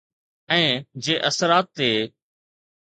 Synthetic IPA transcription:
ɛ̃ːd͡ʑeːʔəsəɾaːt̪ːeː

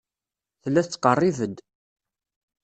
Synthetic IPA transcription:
θəlːæθt͡sːqərˤːivəd̪

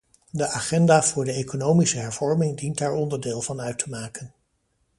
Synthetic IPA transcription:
dəʔaːχɛndaːv̥ʊːɹdəejkonowmisəɦɛɹv̥ɔɹmɪŋdintaːɹɔndəɹdeːlˠvɑnœɥtʰəmaːkən

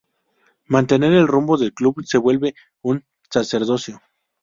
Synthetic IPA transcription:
mãnt̪e̞ne̞ɾe̞lrumbo̞ðe̞lkluβse̞βwe̞lβe̞ | un | sase̞ɾðo̞sjo̞

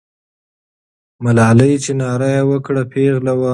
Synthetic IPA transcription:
malɑləjt͡ʃenɑɾajawəkɽapʰeɣlawa

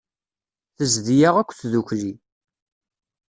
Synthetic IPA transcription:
θəzðijaʁækʷːθðuçli

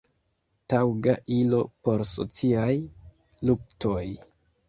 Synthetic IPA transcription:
tawɡaʔilo̞po̞ɾso̞̰t͡siaj | luk̚to̞j

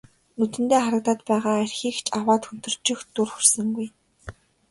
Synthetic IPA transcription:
nɵt̪ɘ̆nt̪eːχaɾə̆k̚t̪aːt̪pæːʁaːærʲxiːkt͡ɕawaːt̪xɵn̥t̪ɵ̆r̥t͡ɕɪ̆xt̪ʊrxur̥sɘ̆ŋɡuj

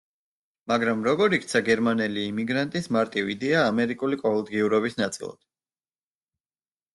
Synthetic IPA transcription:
maɡɾamɾɔɡɔɾikt̪sʰaɡɛɾmanɛliːmiɡɾant̪ʼismaɾt̪ʼivid̪ɛaːmɛɾikʼulikʼɔulˠd̪ɡiuɾɔbisnat̪sʼḭlˠa̰d̪̥

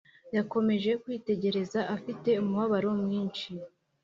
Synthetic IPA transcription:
jako̞me̞ʒe̞kwiːte̞ɟe̞ɾe̞zaʔafite̞umuβaβaɾo̞mŋiːnʃi

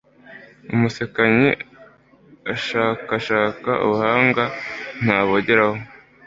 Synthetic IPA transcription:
umusekaɲḛ | aʃaːkaʃaːkaʔṵβuhaːŋɡan̥haːβoɟeɾaho

